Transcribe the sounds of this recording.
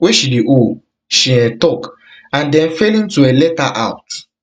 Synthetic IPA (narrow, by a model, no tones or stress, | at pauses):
weʃidiʔo | ʃiɛtɔk | ãndɛ̃nfelĩntuɛlɛtaʔa̰ʊt